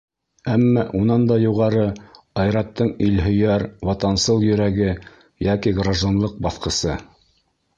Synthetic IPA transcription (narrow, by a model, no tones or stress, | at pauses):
æmːæʔunɑnd̪ɑjuʁɑɾɤ | ɑjɾɑt̪ːɤɴilɦɵ̆jæɾwɑt̪ɑnsɤlˠjɵ̆ɾæɡɘ | jækiɡraʒonlˠɤq̚bɑθqɤ̆sɤ